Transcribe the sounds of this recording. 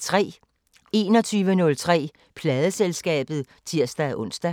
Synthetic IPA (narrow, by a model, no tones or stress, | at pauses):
t͡sʰʁɛ̰ː | e̝̰ːnɒ̽t͡sʰyːʋənɔ̽lt͡sʰʁɛ̰ː | pʰlɛːð̞ˠəselsɡ̥ɛ̰ːb̥ð̞̩ˠ | t͡sʰiɐ̰sd̥æʔɔ̽n̰sd̥æ